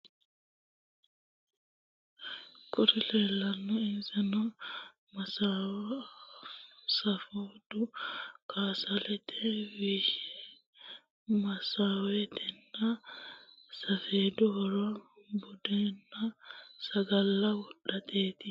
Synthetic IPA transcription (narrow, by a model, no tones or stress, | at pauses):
kʊɾɪleːlːɐnːɐɪnsɛnɐ | mɐsaːwɐ | sɐfoːd̪̥ʊkʰaːsɐlɛt̪ʰɛwiːʃɛ̥ | mɐsaːwɛt̪ʰɛnːɐ | sɐfeːd̪ʊhɔɾɔbʊd̪eːnːɐsɐɡɐlːɐwɔɗːɐt̪ʰeːt̪ɪ